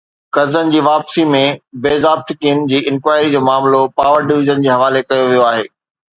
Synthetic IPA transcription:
kɐzənɪ̆d͡ʑiːʋaːpsimẽbeːzaːb̚t̪ʰɪkiənɪ̆d͡ʑiːʔɪ̃nkwaːɪɾid͡ʑoːmaːmlopaːʋəɾɖɪʋɪzənd͡ʑiːɦɐʋaːlekɐjoʋijoaːɦḛː

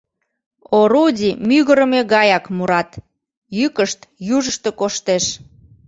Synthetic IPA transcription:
oɾudʲimyɣəɾəmeɣɑjɑkmuɾɑt̪ | jykəʃt̪juʒəʃt̪ekoʃt̪eʃ

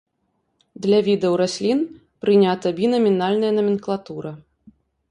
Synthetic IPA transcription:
d̪lʲavʲid̪ɐwɾasʲlʲin | pɾɨnʲat̪ɐbʲinɐmʲinalʲnɐjɐnɐmʲinklˠat̪uɾɐ

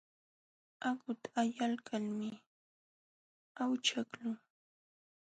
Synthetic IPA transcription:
aɢʊt̪ḁːjalkʰalmɪ | awt͡ʃaklʊ

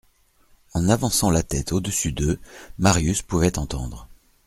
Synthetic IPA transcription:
ɑ̃navɑ̃sɑ̃lat̪ɛt̪ʰod̪əsyd̪ømaʁjyspuvɛt̪ɑ̃t̪ɑ̃d̪ʁə

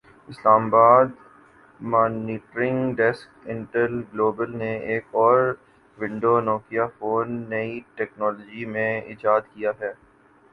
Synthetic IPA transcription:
ɪslaːmabaːd̪ | maːniːʈɾɪ̃ŋɡɖɛskɪ̃ɳʈəlɡloːbəlneeːkɔːɾ | ʋɪ̃ɳɖonɔːkijafoːnːɐiʈɛːknɔːloːd͡ʒimẽɪ̰d͡ʒaːd̪kijaɦɛː

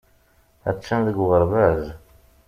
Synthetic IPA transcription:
æ̰t͡sːənðəɡʁəɾvæz

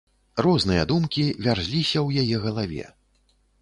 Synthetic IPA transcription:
rɔznɨjɐd̪umkʲivʲarzʲlʲisʲɐwjajɛɣɐlˠavʲɛ̰

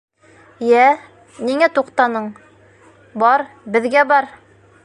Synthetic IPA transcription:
jæ | niŋæt̪uqt̪ɑnɤɴ | bɑɾbɘ̆ðɡæbɑɾ

